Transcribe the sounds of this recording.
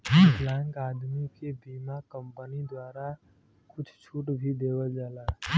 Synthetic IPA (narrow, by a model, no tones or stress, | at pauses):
plãŋkad̪mikebimakəmpənid̪waɾa | kʊt͡ʃʰt͡ʃʰuʈbʱid̪ebəld͡ʒaːla